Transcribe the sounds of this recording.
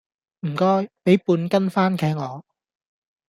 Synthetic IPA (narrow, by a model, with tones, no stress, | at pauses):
m̩˨˩kɔː˥jpe˨˥jpuː˧nkɐ˥nfaː˥nkʰɛː˨˥k̚ŋɔː˨˧